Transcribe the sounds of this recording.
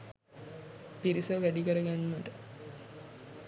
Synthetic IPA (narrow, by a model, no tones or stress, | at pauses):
piɾisəʋæɖikəɾəɡænːət̪ə